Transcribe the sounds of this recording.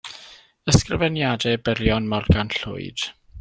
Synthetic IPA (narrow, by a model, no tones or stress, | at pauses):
əskrəvɛnjadɛbəɾjɔnmɔrɡanɬʊ̰ɨd̥